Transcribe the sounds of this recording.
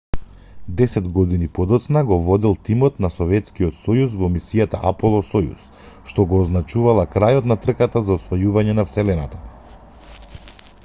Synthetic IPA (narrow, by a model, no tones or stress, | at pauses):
d̪ɛsɛd̪ɡɔd̪inipɔd̪ɔt̪snaɡɔvɔd̪ilˠt̪imɔt̪nasɔvɛt̪skijɔt̪sɔjus̬vɔmisijat̪aʔapɔlˠɔsɔjṵs | ʃt̪ɔɡɔːznat͡ʃuvalˠakɾajɔt̪nat̪r̩kat̪azaɔsvɔjuvaɲɛnafsɛlɛnat̪a